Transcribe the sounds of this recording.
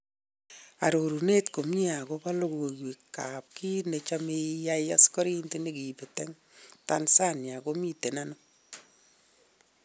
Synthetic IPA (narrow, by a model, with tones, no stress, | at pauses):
a̰˨ɾo˨ɾu˨ne˦tko˨mɲi˦a˨ko˦pa˦lo˦ko˨kwi˨kːa˨p̚ki˦ne˨t͡ʃa˦meja˦ja̰˦skɔ˦ɾi˦nte˦ne˦ki˨pe˨tɛ˦ŋ | tansa˦nja˨ko˦mi˦te˨na˦nɔ˦